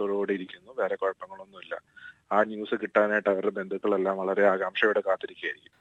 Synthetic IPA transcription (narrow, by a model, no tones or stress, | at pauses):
t̪oɻoːɽeiɾikʲːunːuʋeːɾekoɻɐpːɐŋːɐɭo̞nːumilːɐ̰aːnjuːsɨkiʈːaːnaːjʈːɐʋɐɾebe̞nd̪ʱukːɐɭe̞lːaːmʋɐɭɐɾe̞aːɣaːmʂɐjuɽekaːt̪ːɐɾikʲːajɐɾikʲːum